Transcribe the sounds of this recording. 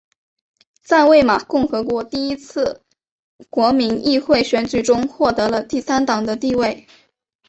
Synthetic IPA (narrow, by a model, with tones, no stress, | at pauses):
t͡sa˥˧ɪwe˥˩ɪma˨˩kʊ˥˩ŋxɤ˧˥kwɔ˧˥t̪i˥˩i˥t͡sʰɹ̩˥˩ | kwɔ˧˥mi˧˥ŋi˥˧xwe˥˩ɪɕɥɛ˧˥nt͡ɕy˨˩ʈ͡ʂʊ˥ŋxwɔ˥˩t̪ɤ˧˥lə˧t̪i˥˩sa˥nt̪ɑ˨˩ŋd̪ə˦t̪i˥˧we˥˩ɪ